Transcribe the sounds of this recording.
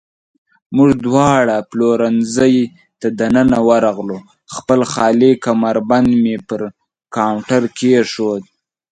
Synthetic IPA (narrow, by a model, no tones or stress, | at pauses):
mʊʐd̪wɑɽaploɾanzəj | t̪ad̪anənawaɾɑɣlo | xpəlxɑlikamaɾband̪mepəɾ | kawɳʈaɾkʰeʂod̪̚